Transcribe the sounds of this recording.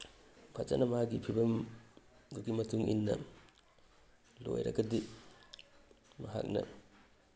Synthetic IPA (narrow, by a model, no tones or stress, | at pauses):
pʰɐt͡ʃɐ̰nɐmɐaɡipʰibɐm | ɡuɡimɐtuŋʔḭnːɐ̰ | lojɾɐ̰ɡɐdi | mɐɦa̰k̚nɐ̰